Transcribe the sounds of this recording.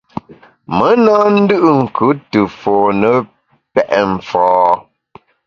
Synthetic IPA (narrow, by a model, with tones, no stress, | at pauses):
mə˦naː˦n̩˦dɯ˦ʔɨ˦ŋ̩˨kʰʉ˨˦tə˨foː˨nə˦ | pɛ˨ʔɛ˨ɱ̩˨fɔː˦